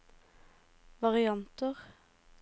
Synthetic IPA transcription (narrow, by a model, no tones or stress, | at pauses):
ʋɑʁɪɑnt̪əʁ